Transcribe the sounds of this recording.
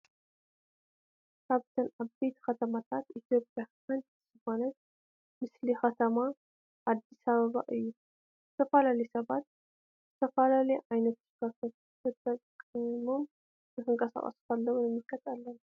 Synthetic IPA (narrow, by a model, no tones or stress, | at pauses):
saβt̪ʰənabbet̪xət̪ʰəmat̪ʰat̪it̪jo̞pʼjakənt̪sɨhonə | mɨslixət̪ʰəma | ʔad̪ːisaβəβa̰ʔɨjːu | bət̪ʰəfəlalesəβat̪ | ət̪ʰəfəlaleajnət̪kaf | ɨt̪ʼəkʼɨmom | əɨŋkʼəsa̰kʼa̰sfalːəwnɛmːikʼːət̪ʼːalːən